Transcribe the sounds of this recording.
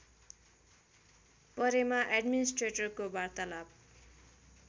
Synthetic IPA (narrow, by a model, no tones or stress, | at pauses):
pʌɾemaʔeɖminisʈreʈʌrkobart̪alab̚